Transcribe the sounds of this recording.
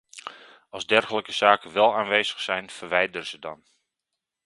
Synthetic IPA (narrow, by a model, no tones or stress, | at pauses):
ɑlˠzdɛrɣələkəz̥aːkəʋɛlˠaːnʋejzəxsɛjnfərʋɛjdərəzədɑ̰n